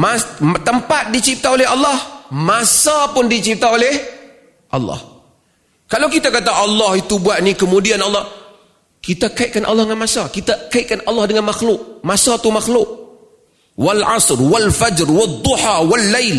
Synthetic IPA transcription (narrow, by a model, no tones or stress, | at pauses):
mat̪əmpat̪̚dit͡ʃip̚t̪aolɛɦɑlːɑhmasapʊndit͡ʃip̚t̪aolɛh | ʔɑ̰lːɑ̰h | kalawkit̪akat̪aʔɑlːɑhit̪ubuaʔnikəmudianɑlːɑh | kit̪akaɪʔ̪̚kanʔɑ̰lːɑhdəŋanmasakit̪akaɪʔ̪̚kanɑlːɑhdəŋanmaxlʊk̚masat̪umaxlʊk | walʕɑ̰srwalfad͡ʒrwad̪ˤːuħawalːajl